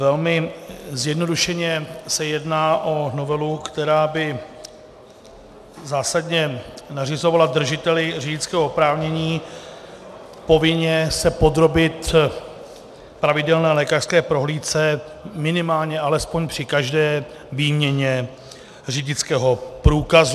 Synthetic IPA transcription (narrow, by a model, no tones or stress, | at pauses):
vɛlmɪzjɛdno̞duʃɛɲɛsɛjɛdnaːʔo̞no̞vɛlukt̪ɛɾaːbɪ | zaːsadɲɛnarɪzo̞valad̪r̩ʒɪt̪ɛlɪr̝ɪɟɪt͡skɛːɦopɾaːvɲɛɲiː | po̞vɪɲɛsɛpo̞d̪ɾo̞bɪt̪ | pɾavɪdɛlnɛːlɛːkar̥skɛːpɾo̞ɦliːt̪t͡sɛ | mɪnɪmaːlɲɛʔalɛspoɲpr̥ɪkaʒdɛː | viːmɲɛɲɛ | rɪɟɪt͡skɛːɦo̞pɾuːkaz